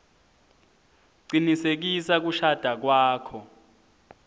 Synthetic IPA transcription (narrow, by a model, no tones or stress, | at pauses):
ǀinisek̬isak̬uʃad̥ʱak̬waːkʰɔ